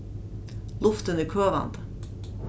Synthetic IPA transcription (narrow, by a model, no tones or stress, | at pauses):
lʊft̪ənəkʰøːʋɑ̰nd̪